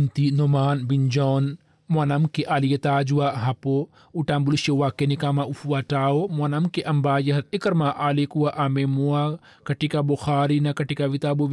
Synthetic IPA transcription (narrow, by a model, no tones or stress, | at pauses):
nt̪inomaːnbind͡ʒɔːn | muanɐmkiʔaːlijet̪aːd͡ʒuwaɦɐpo | uʈaːmbuluʃewaːkːenikamaufuwaʈaːomoɐnɐmkeʔɐmbaːjɐɦɐtikɐɾmaʔaːlikuaʔamemua | kɐʈikaboxaːɾinakɐʈikaʋit̪aːboʋ